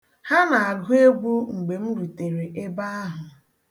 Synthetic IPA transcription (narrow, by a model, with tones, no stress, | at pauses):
ha˦na˨a˨ɾɦe˦ɡ͡bu˦ŋ̩˨ɡ͡be˨m̩˦ɾu˨te˨ɾe˨ʔe˦ba˦a˦ɦʊ˨